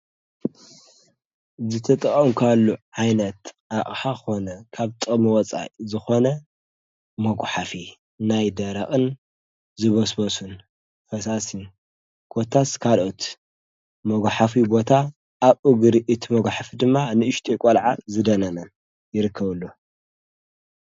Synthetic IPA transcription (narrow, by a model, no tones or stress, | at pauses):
zɨt̪ʰɐt̪ʼɐχʼɐmkʰalːuʕajnɐt̪ʔaʔʼħaxonɐkʰaβt̪ʼɨmɨwɔt͡sʼa̰jzɨxo̞nɐ | mɐɡʷħafi | najd̪ɐɾɐχʼɨn | zɨβɐsbɐsun | fɐsasiju | kʰo̞t̪ʰːaskʰalʔot̪ | mɐɡʷħafibo̞t̪ʰa | ʔːβuɡɨɾʔɨt̪ʰimɐɡʷħafid̪ɨmːanɨɨʃt̪ʰʼekʷʼolʕazɨd̪ɐnɐnɐn | jɪɾɨkʰːɐβɨlːu